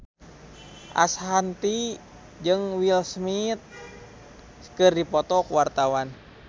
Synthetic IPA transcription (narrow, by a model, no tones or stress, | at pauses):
ʔa̰sɦant̪i | d͡ʒɨŋwilsmit̪̚ | kɨrdipɔt̪ɔkuwart̪awan